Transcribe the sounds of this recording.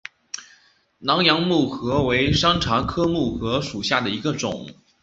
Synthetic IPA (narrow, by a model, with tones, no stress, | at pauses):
nɑ˧˥ŋjɑ˧˥ŋmu˥˩xɤ˧˥we˧˥ɪʂɑ˥ŋʈ͡ʂʰa˧˥kʰɤ˥mu˥˩xɤ˧˥ʂu˨˩ɕja˥˩d̪ə˩i˧˥ɡə˧ʈ͡ʂʊ̰˨˦ŋ